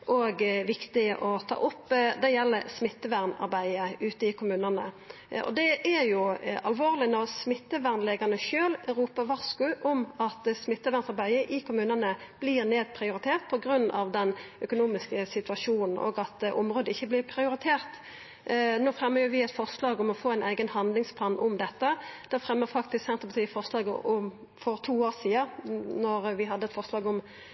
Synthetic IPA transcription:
ʔoɡʋɪkt̪ɪəʔɔt̪ʰɑ̰ːʔʊpːd̪ɛjɛlːəɾsmɪt̪ːəʋæʁnɑ̰ʁbæɪəʉːt̪əɪkʰʊmʉːnənə̰ | ɔ̰d̪ɛʔæɾjʊɑlʋoːʁlɪnɔʁsmɪt̪ːəʋæʁnleːɡɑnəʃøːlɾuːpəʋɑʁskʉʔɔmɑt̪smɪt̪ːəʋæʁnsɑʁbæɪəʔɪkʰʊmʉːnənəb̥lɪʁneːd̪̚pʰʁɪʊɾɪt̪ʰeːʁt̪̚pʰɔɡɾʉnːɑ̰ʋd̪ɛnœkʊnuːmɪskəsɪt̪ʉɑʂuːnn̩ʔo̰ːɡɑt̪ʔʊmʁoːd̪əɪçːəblɪʁpʰʁɪʊɾɪt̪ʰeːʁt̪ | noːfɾɛmːəʁjʊʋɪɛt̪fɔʁslɑːɡʊmɔfoːæɪnʔæɪɡənhɑnd̪lɪŋspʰlɑːnʔʊmd̪ɛt̪ːəd̪̥ɛfʁɛmːəʁfɑkt̪ɪsksɛnt̪ʁəpɑt̪iːəfɔʁʂlɑːɡəɔm | fɔʁt̪ʰuːoːʁsiːɑnɔʁʋɪɦɑd̪ːəɛt̪fɔʁslɑːɡʊm

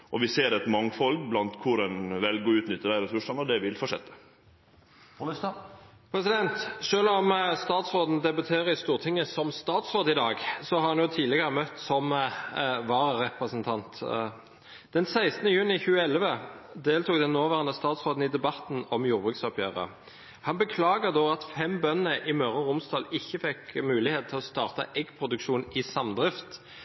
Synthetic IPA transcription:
ʔɔʋɪseːɾɛt̪mɑŋfɔlɡblɑnt̪kʰʊɾɛnʋɛlɡɔʉːt̪nʏt̪ːəd̪æɪɾɛsʉʂɑnɔd̪ɛʋɪlfɔʂɛt̪ːə̥ | pʰɾɛsɪd̪ɛnt̪ʃøːlɔmst̪ɑːt̪sʁoːd̪n̩d̪ɛbɑt̪ʰeːʁəɪst̪uːʁt̪ʰɪŋːəsɔmst̪ɑːt̪sʁoːd̪ɪd̪ɑːɡsɔhɑɾʁɑnjʊt̪ʰiːləɡəʁəmœt̪ːsɔm | ʋɑːɾəʁɛpʁəsənt̪ʰɑnt̪ | d̪̥ɛnsæɪst̪nəjʉːnɪçʉːəɛləʋəd̪eːlt̪uːkd̪ɛnːoːʋæːʁənəst̪ɑːt̪sʁoːd̪n̩ɪd̪ɛbɑt̪ːn̩ɔmjuːʁbʁʉksɔpʰjøːʁə̰ | hɑnbəkʰlɑːɡəd̪oːɑt̪fɛmbœnnəʔɪmœʁɔʁʊmsd̪ɑːlɪçːəfɛkmʉːlɪheːt̪̚ʰɪlɔst̪ɑːʁt̪ə̰ʔɛɡpʰʁʊd̪ʉkʃuːnɪsɑmd̪ʁɪft̪

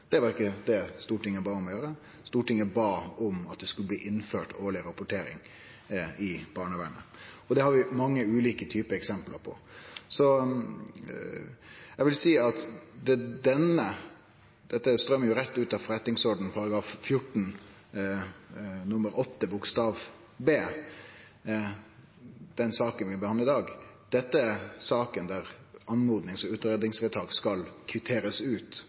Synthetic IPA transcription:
d̪̥ɛʋɑɾɪkːəd̪ɛst̪uːʈɪŋːəbɑːɔmɔjøːɾə | st̪uːʈɪŋːəbɑːɔmɑt̪̚d̪ɛskʉləbliːʔɪnːføːʈoːɭɪɾɑpʊʈʰeːɾɪ̰ŋ | ɪb̥ɑːɳəʋæɳə̰ɔd̪ɛhɑɾʋɪmɑŋːəʉːliːkət̪ʰyːpəɛksɛmplə̰ɾpʰɔ̰sɔ | ɛɡʋɪlsiːɑt̪d̪ɛd̪ɛnə | d̪̥ɛt̪ːəst̪ɾœmːəjʊɾɛt̪ːʉːt̪ɑʋfɾɛt̪ɪŋsɔɖn̩pʰɑɾɑɡɾɑːffjʊʈːn̩ | nʊmːəɾɔt̪ːəbʊkst̪ɑːʋ | beː | d̪̥ɛnsɑːkənʋɪbəhɑnɪd̪ɑːɡd̪̥ɛt̪ːəæsɑːkənd̪æɾɑnmuːd̪nɪŋsɔʉːt̪əɾɛd̪ɪŋsʋɛt̪ʰɑːɡskɑlkʰʋɪt̪ʰeːɾəsʉːt̪

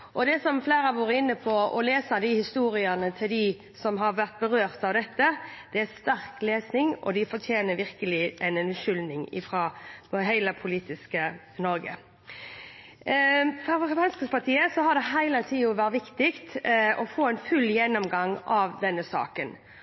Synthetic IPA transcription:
ʔɔd̪ɛsɔmfleːɾəʋɑːɾəɪnːəpʰɔʔɔ̰leːsɑd̪ɪhɪst̪uːɾɪənət̪ʰɪld̪ɪ | sɔmɦɑɾʋæʁt̪̚bəɾøːɾt̪ɑʋd̪ɛt̪ːəd̪̥ɛæst̪æɾkleːsnɪŋɔ̰d̪ɪfɔɾt̪ʰjeːnəɾʋɪɾkəlɪʔɛnɛnʉʃʏlnɪŋɪ̰fɾɑːɦæɪləpʰʊliːt̪ɪskə | nɔɾɡə̰ | fɔʁpɑnskəpʰɑt̪ʰiːəsɔɦɑd̪ɛɦæɪlət̪ʰiːʊʋæɾt̪ʋɪkt̪ɪkt̪ɔfoːɛnfʉlːjɛnːɔmɡɑŋɑʋd̪ɛnːəsɑ̰ːkən

